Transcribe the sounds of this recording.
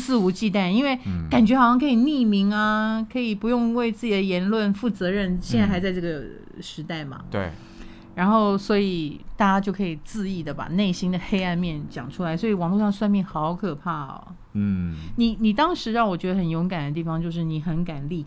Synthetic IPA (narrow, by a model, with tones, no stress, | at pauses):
sɹ̩˥˧u˧˥t͡ɕi˥˧t̪a˥˩ni˥nwe˥˩ɪka˨˩nt͡ɕɥɛ˧˥xɑ˨ʊɕɑ˥˩ŋkʰɤ˧˥i˨˩ni˥˩mi˧˥ŋɐ˧kʰɤ˧˥i˨˩pu˧˥jʊ˥˧ŋwe˥˧ɪt͡sɹ̩˥˩t͡ɕi˨˩d̪ə˩˧jɛ˧˥nlwə˥˧nfu˥˩t͡sɤ˧˥ɻə˥˧nɕjɛ˥˧nt͡sa˥˩ɪxɪt͡sa˥˧ɪʈ͡ʂɤ˥˩ɡə˩ | ʂɻ̩˧˥t̪a˥˩ɪmɐ̰˩t̪ḛ˥˩ | ɻa˧˥nxo˥˩ʊswɔ˧˥i˨˩t̪a˥˩t͡ɕa˥t͡ɕjo˥˩ʊkʰɤ˧˥i˨˩t͡sɹ̩˥˧i˥˩d̪ə˩pa̰˨˩ne˥˩ɪɕi˥ŋd̪ə˨xe˥ɪa˥˧nmjɛ˥˩nt͡ɕjɑ̰˨˩ŋʈ͡ʂʰu˥la˧˥ɪswɔ˧˥i˨˩wɑ˨˩ŋlu˥˧ʂɑ˥˧ŋə˧swa˥˧nmjɛ˥˩nxɑ˧˥ʊkʰɤ˨˩pʰa˥˩ɔ̰˩ | ni˨˩ni˨˩t̪ɑ˥ŋʂɻ̩˧˥ɻɑ˥˩wɔ˨˩t͡ɕɥɛ˧˥d̪ə˧xə˨˩njo˧˥ʊka˨˩nd̪ə˦t̪i˥˩fɑ˨˧ŋt͡ɕjo˥˧ʊʂɻ̩˥˩ni˧˥xə˧˥nka˨˩nli˥˩